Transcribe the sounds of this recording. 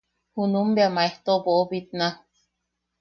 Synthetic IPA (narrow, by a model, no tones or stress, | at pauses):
hunumbeamaeht̪oboːbit̪̚na